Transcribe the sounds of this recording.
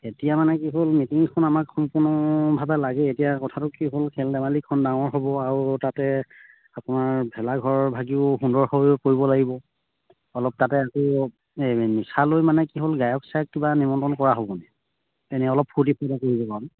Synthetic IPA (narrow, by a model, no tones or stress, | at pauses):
etijamanɛkiɦolmitiŋkʰɔnamakxɔmpʊɹnɔbʱabɛlaɡɛetijakɔtʰatʊkiɦolkʰɛldɛmalikʰːɔndaŋɔɹɦobɔaɹutatɛ | apʊnaɹbʱɛlaɡʱɔɹɔbʱaɡiʊɦundɔɹhojkoɹibɔlaɡibɔ | ɔlɔp̚tatɛakɔ | misalojmanɛkiɦolɡajɔksajk̚kibanimɔntɔnkɔɹaɦobɔnɛ | enɛɔlɔpʰuɹtipʰɔjdakoɹibɔkaɹɔn